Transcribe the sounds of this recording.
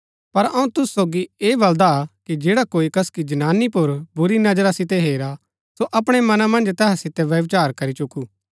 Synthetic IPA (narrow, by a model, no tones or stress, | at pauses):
pɐɾɐ̃ũt̪ʊssoːɡieːbɐld̪akid͡ʒeːɽakoːikɐskid͡ʒɐnaːnipʊɾbʊɾinɐd͡ʒɾasɪt̪ɛɦeːɾa | soʔɐpɽ̃ɛmɐnãmɐ̃nd͡ʒt̪ɛːɦasɪt̪ɛʋjɐʋt͡ʃaːɾkɐɾit͡ʃʊkuː